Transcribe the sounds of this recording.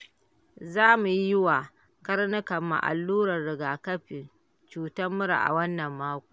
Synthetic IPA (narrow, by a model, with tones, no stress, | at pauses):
zaː˦mu˨ji˦jɪ˦wa˨ | kɐ˦rnɐ˦kɐ˨mːa̰˨ʔa̰˨lːuː˦ɾɐ˨rːɪ˨ɡaː˨kɐ˦ɸɪ˨n | t͡ʃuː˨tɐ˦mːʊ˦ɾa̰˨ʔa̰˨wɐ˦nːɐ˨mːaː˦kʷu̥ː˨